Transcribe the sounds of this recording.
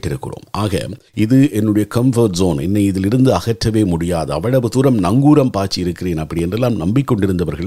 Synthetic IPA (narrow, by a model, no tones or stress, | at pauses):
ʈːɪɾɯkːɯ̰ro̰ːmaːɣɐ̰ | ʔɪðɯʔɛnːɯɽɐjɐkɐmfɐːʈzoːnɛ̰nːɐɪɪðɪlɪɾɯnd̪ɯɐɣɐʈrɐʋeːmʊɽɪjaːðɯɐʋɐɻɐʋɯt̪ʊɾɐmnɐŋɡuːɾɐmpaːɾt͡ʃɪɪɾɯkːɪɾeːnɐpːɐɽɪjɛndrɛlːaːmnɐmbɪkːɔɳɖɪɾɯnd̪ɐʋɐɾɣɐɭ